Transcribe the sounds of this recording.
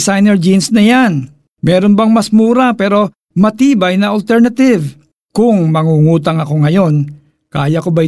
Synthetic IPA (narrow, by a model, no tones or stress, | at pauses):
sajnɛɹd͡ʒinsnɐjan | mɛːɾonbɐŋmɐsmuːɾapɛːɾo̞ | mɐt̪iːbɐjnɐʔɐlt̪ɛɾnɐt̪ɪv | kʊŋmɐŋuŋuːt̪ɐŋɐko̞ŋɐjo̞n | kaːjɐkobaj